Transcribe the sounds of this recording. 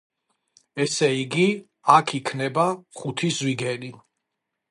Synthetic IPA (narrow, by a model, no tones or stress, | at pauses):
ɛsɛiɡi | akʰikʰnɛbaχut̪ʰizwiɡɛni